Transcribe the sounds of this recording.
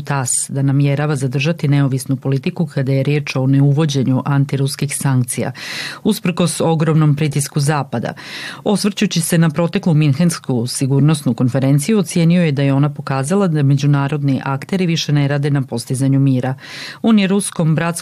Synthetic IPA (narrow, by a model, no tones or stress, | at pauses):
t̪asd̪anamje̞ɾaʋazad̪r̩ʒat̪ine̞o̞ʋisnupo̞lit̪ikukʰad̪aje̞ɾje̞ːt͡ʃo̞ne̞uʋo̞d͡ʑe̞ɲuʔant̪iɾuskixsaŋk̚t̪sija̰uspr̩ko̞so̞ɡɾo̞mno̞mpɾit̪iskuzaːpad̪a̰osʋr̩t͡ɕut͡ɕise̞napɾo̞t̪e̞klˠuminxenskusiɡuːɾno̞snuko̞nfe̞ɾe̞nt̪sijuot̪sje̞nio̞je̞d̪ajeo̞napo̞kaːzalˠad̪ame̞d͡ʑunaːɾo̞d̪niʔakt̪e̞ɾiʋiʃe̞ne̞ɾaːd̪e̞napo̞st̪izaɲumiːɾa | o̞ːnjeɾusko̞mbɾat̪s